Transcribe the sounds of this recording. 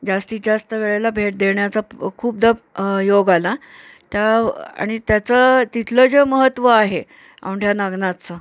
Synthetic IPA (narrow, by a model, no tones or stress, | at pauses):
d͡zast̪iːd͡zast̪əʋeɭelabʱeʈ̚d̪eɳjat͡sakʰuːp̚d̪əjoɡala | t̪jaa̰ɽ̃it̪jat͡sət̪it̪ʰləd͡zeməɦət̪ːʋəaɦe | a̰wɳʈjanaɡnat̪t͡sə